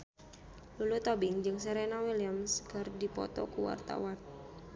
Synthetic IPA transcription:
lulut̪obɪŋd͡ʒɨŋsɛɾenawiliamskɨrdipɔ̰t̪ɔkuwa̰rt̪a̰wan

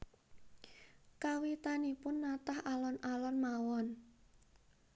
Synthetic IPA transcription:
kawit̪anipʊnːat̪ahalɔnalɔnmawɔn

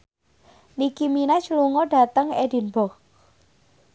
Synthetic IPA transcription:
nikiminat͡ʃəluŋɔɖ̥a̤t̪əŋedi̤nbɔk̚

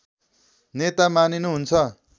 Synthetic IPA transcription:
net̪amaninuɦunt͡sʰʌ

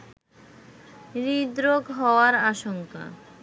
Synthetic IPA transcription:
ɾid̪ɾoɡɦɔoaɾaʃoŋka̰

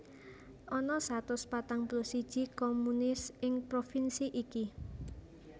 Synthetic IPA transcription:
ʔɔnɔsat̪ʊspat̪aŋplosid̥ʒ̥i̤komunɪsɪŋpɾofinsiʔiki

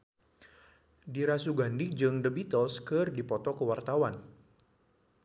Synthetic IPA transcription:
diɾasuɡandɪk̚d͡ʒɨŋdəbit̪ɔskɨrdipɔt̪ɔkəwart̪awan

